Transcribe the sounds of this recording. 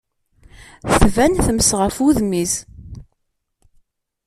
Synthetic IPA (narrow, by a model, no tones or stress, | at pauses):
θθvænθəmsʁəfuðmiz